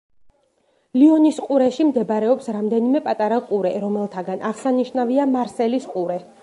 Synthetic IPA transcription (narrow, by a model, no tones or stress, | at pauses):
liɔnisqʼuɾɛʃimd̪ɛbɾɛɔpsɾamd̪ɛnimɛpʼat̪ʼaɾaqʼuɾɛɾɔmɛlˠt̪ʰaɡanʔaʁsaniʃnaviamaɾsɛlisqʼuɾɛ